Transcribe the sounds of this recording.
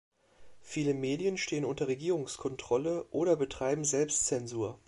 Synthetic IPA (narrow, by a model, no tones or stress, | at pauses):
fiːləmeːdjənʃteːənʊntɐʁeɡiːʁʊŋskʰɔntʁ̥ɔləʔoːɾɐbətʁ̥aɪbm̩zɛlpstt͡sɛnzuːɐ